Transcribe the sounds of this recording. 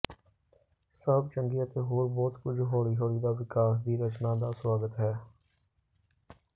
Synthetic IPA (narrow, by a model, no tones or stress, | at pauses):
səb̚t͡ʃəŋɡiːət̪eːɦoːɾbɔːt̪kʊd͡ʒɦoːɭiːɦoːɭiːd̪aːʋɪkaːs̬d̪iːɾət͡ʃnãːd̪aːswaːɡət̪ɦɛː